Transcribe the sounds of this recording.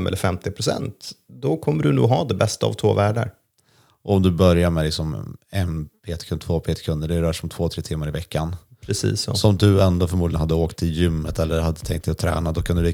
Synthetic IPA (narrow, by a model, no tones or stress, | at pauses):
mɛ̰lːəɾfɛmt̪ɪpʰɾʊsɛ̰nt̪d̪ɔkʰɔmːəɖɵnuːɡɦɑd̪ɛbɛst̪aa̰vt̪ʰvoːvæːɖaɾ | ʔɔɔmd̪ɵbœɾjamɛlɪksɔmɛnpʰeːt̪kʰɵnt̪ʰvoːpʰeːt̪ɪ̥kʰɵnd̪əɖɛɾœːʂɔmt̪ʰv̥oːt̪ʰɾeːt̪ʰɪmːaɾɪvɛkːanpʰɾɛsḭːsːɔ̰sɔmd̪ɵɛnd̪oːfœɾmuːd̪ɪɡənhad̪ːəoːkt̪ʰːɪljʏmːət̪ʰɛlːəɾhad̪ːət̪ʰɛŋkt̪̚d̪ɛɔt̪ʰɾɛ̰ːnad̪ɔkʰand̪ɵlɪ